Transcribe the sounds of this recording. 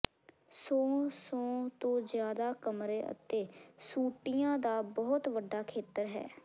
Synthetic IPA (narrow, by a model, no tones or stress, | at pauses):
sɔ̃ːsɔ̃ːt̪õːzjaːd̪aːkəmɾeːʔə̰t̪eːsuːʈijãːd̪aːbɔːt̪ʋəɖːaːkʰeːt̪əɾɦɛ̰ː